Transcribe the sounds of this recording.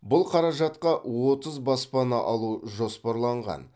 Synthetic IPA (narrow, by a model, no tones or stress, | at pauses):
bʊlˠqʰɑɾɑʒɑt̪qɑwo̞t̪əzbɑspɑnɑʔɑlˠuʒo̞spɑɾlˠɑɴʁɑ̰n